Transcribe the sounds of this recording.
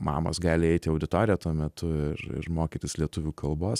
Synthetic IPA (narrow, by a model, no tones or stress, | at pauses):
mɑ̰ːmo̰sɡɑːlʲɪɛɪt̪ʲɪɐʊd̪ʲɪt̪oːɾʲɪjɛt̪uɔmʲɛt̪ʰʊɪɾɪ̰ɾmoːkʲiːt̪ʲɪslʲiɛt̪ʊʋʲuːkɐlˠboːs